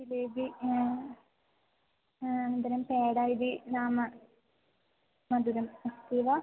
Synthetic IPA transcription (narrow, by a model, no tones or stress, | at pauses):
ilebi | ɐnd̪ɐɾɐmpeːɽaːjbinaːmɐ | mɐd̪uɾɐmɐst̪iʋa